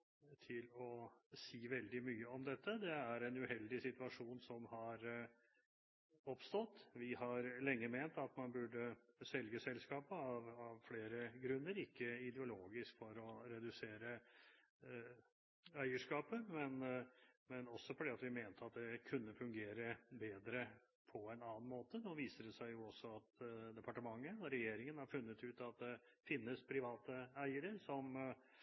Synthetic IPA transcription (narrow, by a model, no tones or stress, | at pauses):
t̪ʰɪlɔsiːʋɛld̪ɪmyːəɔmd̪ɛt̪ʰːəd̪ɛæɾɛnʉhɛld̪ɪsɪt̪ʉɑʂuːnsɔmhɑɾ | ɔpst̪ɔt̪ːʋɪhɑɾlɛŋːəment̪ɑt̪mɑnbʉɖəsɛlɡəsɛlskɑːpəɑʋɑʋfleːɾəɡɾʉnːəɾɪkːəɪd̪ɛʊloːɡɪskfɔɾɔɾɛd̪ʉseːɾə | æɪəʂkɑːpəmɛnmɛnɔsːɔfɔɖɛɑt̪ʋɪmeːnt̪ʰəɑt̪̚d̪ɛkʰʉnːəfʉŋɡeːɾəbeːd̪ɾə | pʰɔɛnɑːnmoːt̪ənoːʋiːsəɖɛsæɪjʊɔsːɔɑt̪d̪ɛpʰɑʈəmɑŋːənɔɾɛjeːɾɪŋənhɑɾfʉnːət̪ʉːt̪ɑt̪̚d̪ɛfɪnːəspʰɾɪʋɑːt̪əæɪəɾəɾsɔm